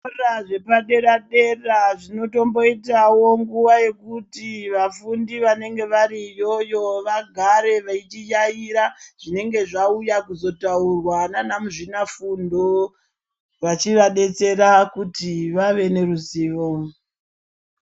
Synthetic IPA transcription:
raʐe̞paɗe̞ɾaɗe̞raʐino̞to̞mbo̞itawo̞ŋɡuʋaje̞kutiʋafundiʋane̞ŋɡe̞ʋaɾijo̞jo̞ʋaɡʱaɾe̞ʋait͡ʃijaiɾaʐ̥ine̞ŋɡe̞ʐaujakuzo̞taurwananamuʐinafundo̞ | ʋat͡ʃiʋaɗe̞t͡se̞ɾakutiʋaʋe̞ne̞ruziːʋo

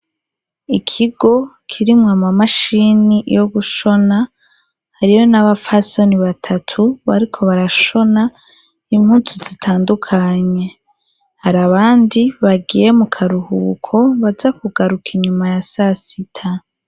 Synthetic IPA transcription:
ikʰiɡo̞kʰiɾimŋamamaʃinijo̞ɡuʃo̞na | haɾijo̞naβafaso̞niβatʰatʰuβa̰ɾikʰo̞βaɾaʃo̞na | imhuːnsuzitʰaːndukʰaɲe̞ | haɾaβaːndiβaɡije̞mukʰaɾuhukʰo̞βazakuɡaɾukʰiɲumajasasitʰa

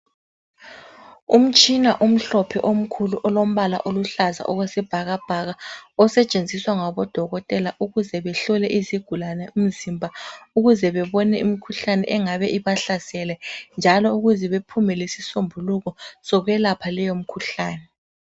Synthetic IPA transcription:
um̩t͡ʃʼinaʔum̩ɬɔpʰɛʔom̩kʰuluʔɔlom̩βala̰ʔoluɬaza̰ʔɔɣwɛsɛb̥ʱaɣab̥ʱaɣaɔsɛt͡ʃʼend͡zʱiswaŋaβɔd̥ʱɔɣɔtʼɛlaʔuɣuzɛβɛɬɔlɛʔiziɡ̥ʱulanɛum̩zimbʱauɣuzɛβɛβɔnɛimikʰuɬanɛ̰ʔɛŋaβɛʔiβaɬasɛlɛnd͡ʒʱalɔuɣuzɛβepʰumɛlesisombʱuluɣɔsɔɣɛlapʰalɛjom̩kʰuɬaːnɛ

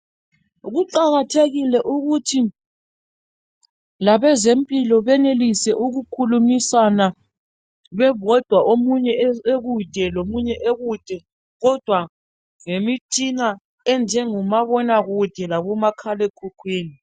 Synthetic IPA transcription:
ɣuǃaɣatʰeɣilɛʔuɣutʰi | laβɛzempʼilɔβɛnelisɛʔuɣukʰulumisana | βɛβɔd̥ʱwaʔomuɲɛeɣud̥ʱɛlomuɲɛʔeɣud̥ʱɛ | ɣɔd̥ʱwa | ŋemit͡ʃʼina | ɛnd͡ʒʱɛŋumaβɔnaɣud̥ʱɛlaβumakʰalɛkʰukʰwiːni

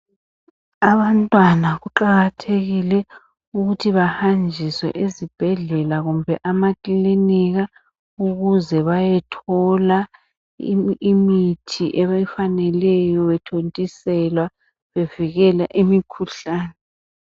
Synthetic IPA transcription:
aβantʼwanaɣuǃaɣatʰeɣilɛ | uɣutʰiβahand͡ʒʱiswɛ̰ʔezib̥ʱɛɮɛlaɣumbʱɛʔamakʼiliniɣa | uɣuzɛβajɛtʰɔla | imitʰiʔɛβajifanɛlɛjɔβɛtʰontʼisɛlwa | βeviɣɛla̰ʔimikʰuɬaːnɛ

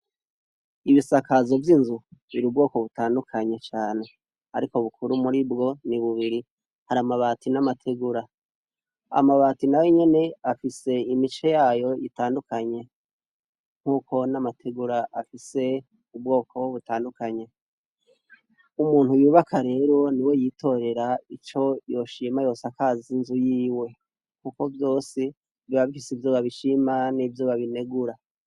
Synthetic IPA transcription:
iβisakazo̞vjinzuβiɾub̚ɡo̞ːko̞βutaːndukʰaɲe̞t͡ʃaːne̞ | aɾiko̞βukʰuɾumuɾibɡo̞niβuβiɾi | haɾamaβaːtinamatʰeɡuɾa | a̰maβaːtinajoɲe̞ne̞afise̞imit͡ʃe̞jaːjo̞ʔitaːndukaɲe̞ | ŋ̥uːko̞namatʰeɡuɾaʔafise̞ | ubɡo̞ːkʰo̞βutaːndukaɲe̞ | umuːnhujuːβakʰaɾe̞ɾo̞niwe̞jitʰo̞ɾe̞ɾait͡ʃo̞jo̞ʃimajo̞ːsakaːzinzujiːwe̞ | ŋ̥uko̞vjo̞ːsi̥ | iβaβifisivjoːβaβiʃimanivjoːβaβine̞ɡuɾa

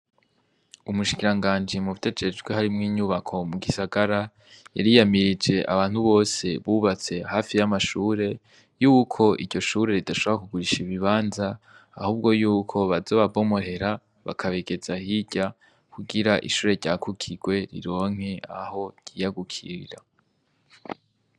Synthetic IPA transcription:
umuʃi̥kiɾaŋɡaːnd͡ʒimuβutʰe̞d͡ʒe̞d͡ʒɡwehaɾimŋiːɲuːβakʰo̞muɡisaɡaɾa | ja̰ɾijamiɾid͡ʒe̞ʔa̰βaːn̥huβo̞ːse̞βuβat͡se̞haːfijamaʃuːɾe̞ | juːkʰo̞ʔiɾɟo̞ʃuːɾe̞ɾidaʃoβoɾakuɡuɾiʃiβiβaːnzaː | huːb̚ɡo̞juːkʰo̞βazo̞ːβabo̞mohe̞ɾa | βa̰kʰaβe̞ɡe̞zahiɟa | kuɡiɾaʔḭʃuːɾe̞ɟaːkʰukʰiɡwe̞ɾḭɾo̞ːŋ̥he̞aho̞ɟ̥ijaɡukʰḭɾḭɾa

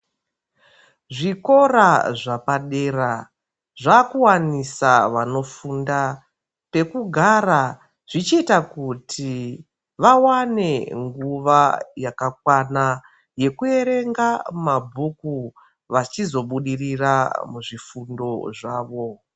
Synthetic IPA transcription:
ʐiko̞raʐapaɗe̞ːra | ʐakuwanisaʋano̞funda | pe̞kuɡʱara | ʐ̥it͡ʃiitakutʰi | ʋawane̞ŋɡuʋajakak̚wana | je̞kue̞ɾe̞ŋɡamabʱuku | ʋat͡ʃizo̞ɓuɗiriramuʐifundo̞ʐaːʋo̞

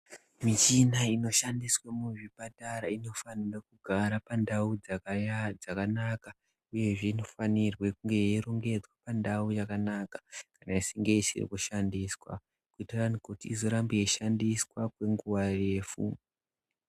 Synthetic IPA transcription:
mit͡ʃinaino̞ʃandiswamuʐipataɾaino̞fanirakuɡʱaɾapandaud͡zad͡zakanaka | uje̞ʐe̞ino̞fanirwekuŋɡe̞jeiɾo̞ŋɡe̞d͡zwapandaujakanakḁkanaisiŋɡe̞isḭrḭkuʃandiswa̰ | kuitaranukoutiizo̞ɾambujeʃandiswakwe̞ŋɡuʋare̞ːfṵ

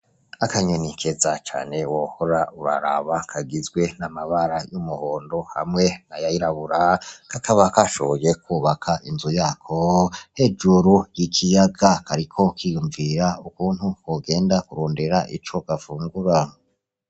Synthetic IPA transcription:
akaɲonikʰezat͡ʃa̰ːne̞wohoɾauɾa̰ɾa̰βakʰaɡizɡwe̞namaβaɾajumuhoːndo̞ha̰mŋe̞najajiɾaβuɾakakaβakaʃo̞βojekʰuːβakʰaʔinzujaːkʰohe̞d͡ʒuɾujikʰijaɡakʰaɾikʰo̞kijuɱviɾaukuːnhukwoɡe̞ːndakuɾoːndeɾaʔḭt͡ʃo̞ɡ̥afuːŋɡuɾa

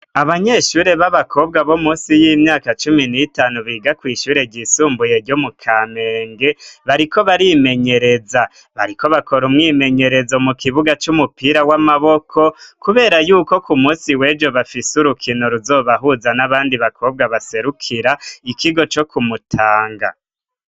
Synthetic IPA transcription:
aβaɲe̞ʃuːɾe̞βaβakʰo̞bɡaβo̞muːsijimɲaːkat͡ʃuminitaːnuβiːɡakwiːʃuːɾe̞ɟisuːmbuje̞ɾɟomukʰameːŋɡe̞βaɾiko̞βaɾime̞ɲe̞ɾeza | βa̰ɾiko̞βako̞ɾumŋiːme̞ɲe̞ɾe̞zo̞mukiβuɡat͡ʃumupiːɾawamaβokʰo̞kuβe̞ːɾajuːko̞kumuːnsiwe̞ːd͡ʒo̞βafisuɾukʰinoɾuzo̞ːβaɦuzanaβaːndiβakʰo̞b̚ɡaβase̞ɾukʰiɾaikiɡo̞t͡ʃo̞kumutʰaːŋɡa̰

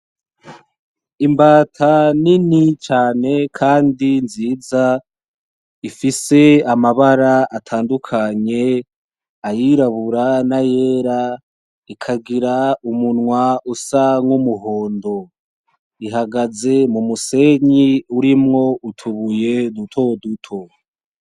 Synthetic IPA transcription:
imbaːtʰaninit͡ʃaːne̞kʰaːndinziːza | ifise̞amaβaɾaatʰaːndukʰaɲe̞ | ajiɾaβuɾanajeːɾa | ikʰaɡiɾaumunŋwausaŋumuɦo̞ːndo̞ | iɦaɡaze̞mumuse̞ɲiuɾimŋo̞utʰuβuje̞nutʰo̞dutʰo̞

